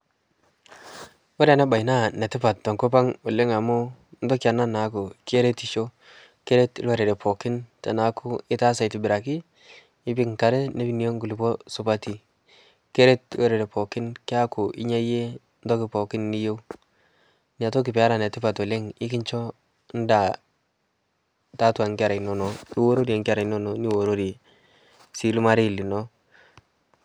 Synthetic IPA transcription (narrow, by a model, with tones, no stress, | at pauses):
we˦ɾa˨na˦ba˨jna˦˨nɛ˨tɪ˦pa˨ttɔ˨ŋko˦p̬a˦ŋwɔ˨le˦ŋa˨mu˦ndɔ˦ki˦a˨na˦na˨˦ku˨ki˦e˦ɾe˦ti˨ʃo˦ | ke˦ɾe˦ti˦lwa˨ɾe˨ɾe˨pɔ˨kɪ˦nta˨na˨˦kʰu˦ɪ˦ta˦sa˨i˨ti˨bɪ˨ɾa˨kiː˦ | pi˦ŋka˨ɾɛ˦ne˦bi˦ni˨o˦ŋɡu˨li˨pɔ˦su˨pa˦ti˨ | ke˦ɾe˦twe˦ɾe˨le˨pʰo˨kɪ˦nki˦a˦ku˨ʔḭ˦ɲa˦je˦ | ntɔ˦kɪ˨po˨kɪ˦nːi˦jo˦w | ni˨a˨to˦k̬i˨pɛ˨a˦ɾa˨n˨a˨tɪ˦pa˨to˨le˦ŋɪ˦ki˦ɲt͡ʃɔ˦ | n̩˦da˨ | ta˦twa˨ŋka˨ɾa˨no˦no˨ni˦wo˦ɾo˦ɾi˨a˨ŋki˦a˦ɾa˨no˦no˨ni˦wo˨ɾo˦ɾi˨ | si˨lu˦ma˦ɾi˦˨li˨nɔ˦